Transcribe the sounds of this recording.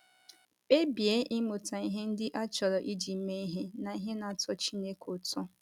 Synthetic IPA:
e˦bjeː˨˦ʔi˦mo˨ta˨i˦ɦe˦n̩˦dɪ˦ʔa˦t͡ʃɔ˨ɾɔ˨ʔi˦d͡ʒi˨m̩˦me˦i˦ɦe˦na˨i˦ɦe˦na˨tɔ˦t͡ʃi˦ne˦kʰo˨tɔ˦

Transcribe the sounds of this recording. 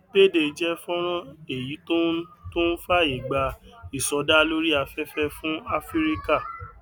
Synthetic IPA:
be˦˨de˧˨d͡ʒɛ˦fɔ̃˦ɾ̃ɔ̃˦e˨ji˨˦to˦to˦n̩˦fa˦i˨ɡ͡ba˧i˨sɔ˨˦da˦lo˦ɾi˦a˧fɛ˦fɛ˦fũ˦a˦fi˦ɾi˦ka˦˨

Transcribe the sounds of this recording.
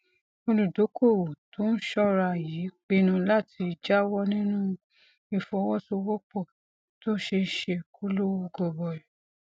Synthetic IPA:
o˧lũ˨do˨˦ko˦˨wo˨to˦n̩˦ʃɔ˦ɾa˧˨ji˨˦k͡pe˧nã˧˦la˦˨ti˧d͡ʒa˦wɔ˦nĩ˦nũ˦ | i˧fɔ̃˧˦wɔ˦so˧wɔ˦k͡pɔ˦˨ | to˦ʃe˧ʃe˧ko˦lo˦wo˧ɡɔ˧˨bɔ˨ɾɛ˨

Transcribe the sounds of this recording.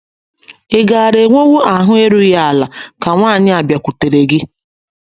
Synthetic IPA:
ɪ˦ɡa˨ɾe˨ŋʷo˦wo˦a˨ɦʊ˦e˦ɾu˦ja˦a˨la˨ka˨ŋʷaː˦˨ɲɪ˦a˨bja˨kʷu˨te˨ɾe˨ɡɪ˦

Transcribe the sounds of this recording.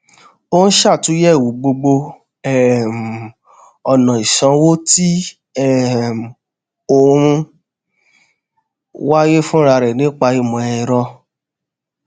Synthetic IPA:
o˦n̩˦ʃa˦˨tũ˨˦jɛ˦˨wu˨˦ɡ͡bo˧ɡ͡bo˧ | ɛ˦˨m˨ | ɔ˨nã˨i˨ʃã˨˦wo˦ti˦ | ɛ˦˨m˨ | o˦ũ˧ | wa˦je˦fũ˦ɾa˧ɾɛ˨nĩ˨˦k͡pa˧i˨mɔ̃˨ɛ˧˨i˨ɾɔ˧

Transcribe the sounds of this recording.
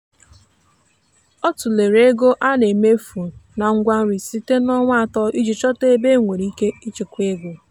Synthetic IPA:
ɔ˦tʊ˨le˨ɾe˦ɡo˦ʔa˦ne˨me˦fu˨na˨ŋ̩˦ɡʷa˦n̩˦ɾi˨si˦te˦nɔ˦ŋʷ˦a˨tɔ˦ʔi˦d͡ʒi˨t͡ʃɔ˦te˦be˦ŋʷe˨ɾi˦ke˦i˦t͡ʃi˨kʷe˦ɡʷo˨

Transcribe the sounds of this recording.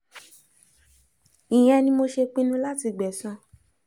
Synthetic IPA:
i˨j̃ɛ̃˧nĩ˧mo˧ʃe˧k͡pĩ˦nũ˦la˦ti˧ɡ͡bɛ˨sɔ̃˧˦

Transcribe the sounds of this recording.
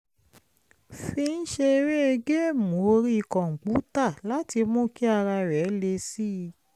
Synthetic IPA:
fi˧ñ̩˦ʃe˧ɾɛ˦e˧ɡe˦˨mõ˨˦o˧ɾi˦i˧˨kɔ̃˨ŋ̩˨ɡ͡bu˨˦ta˦˨la˨˦ti˧mɔ̃˦˨ki˦a˧ɾa˧ɾɛ˨˦le˧si˦˧

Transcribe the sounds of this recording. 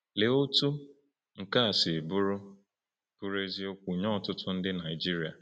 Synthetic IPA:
le˨o˦tu˦ | ŋ̩˨ka˦a˨sɪ˨bʊ˦ɾʊ˦ | pu˦ɾe˦zi˦o˦kʷu˨ɲɔ˦˨tʊ˦tʊ˦n̩˦dɪ˦na˨ɪ˨d͡ʒi˦ɾi˨a̰˨

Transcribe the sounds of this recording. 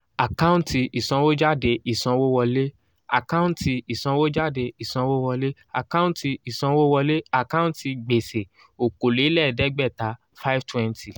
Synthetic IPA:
a˨ka˦ũ˦nti˧i˨sɔ̃˧wo˦d͡ʒa˦˨de˧i˨sɔ̃˧wo˦wɔ˧le˦ | a̰˨kã˦ũ˦nti˧i˨sɔ̃˧wo˦d͡ʒa˦˨de˧i˨sɔ̃˧wo˦wɔ˧le˦ | a˨ka˦ũ˦n˦ti˧i˨sɔ̃˧wo˦wɔ˧le˦a˨ka˦ũ˦n˦ti˧ɡ͡be˨se˨ | o˨ko˨le˨˦lɛ˦˨dɛ˦ɡ͡bɛ˦˨ta˨˦ | fa˦i˦ftwɛ̃˦ntʰi˨

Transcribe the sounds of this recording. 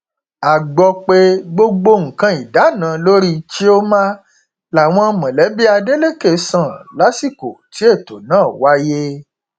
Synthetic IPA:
a˨ɡ͡bɔ˧k͡pe˧ɡ͡bo˧ɡ͡bo˧ŋ̩˨kã˧i˨da˨˦nã˨˦lo˦ɾi˦t͡ʃe˦o˦mã˦ | la˨w̃ɔ̃˧mã˨lɛ˨˦bi˦a˧de˦le˦˨ke˨˦sã˦˨la˨˦si˦˨ko˨ti˨˦e˦˨to˨nãː˦˨wa˦je˦

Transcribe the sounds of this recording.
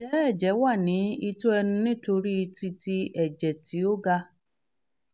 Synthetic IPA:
ʃɛ˦ɛ˦˨d͡ʒɛ˨˦wa˦˨nĩ˨˦i˧to˦ɛ˧nũ˧nĩ˦˨˦to˧ɾi˦i˧ti˧ti˧ɛ˨d͡ʒɛ˨ti˨˦o˦ɡa˧

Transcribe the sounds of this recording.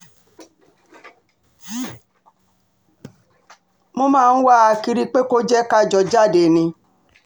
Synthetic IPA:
mo˦mãː˦˧n̩˦wa˦˨a˧ki˧ɾi˦k͡pe˦ko˦d͡ʒɛ˦ka˦˨d͡ʒɔ˧d͡ʒa˦˨de˨nĩ˧

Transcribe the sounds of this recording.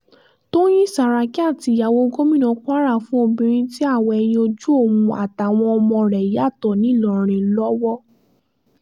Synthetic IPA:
to˦j̃ĩ˦˨sa˨ɾa˧ki˦a˦˨ti˧ja˨wo˦ɡo˦mĩ˦˨nɔ̃˧˦k͡pa˦ɾa˦˨fũ˦o˦˧˨bĩ˧ɾ̃ĩ˦ti˦a˦˨wɔ˧ɛ˧j̃ĩ˧o˧d͡ʒu˦o˦˨wũ˧a̰˨ta˨w̃ɔ̃˧ɔ˧mɔ̃˧ɾɛ˨ja˦˨tɔ˨nĩ˨˦˨lɔ˨ɾ̃ĩ˧lɔ˦wɔ˦

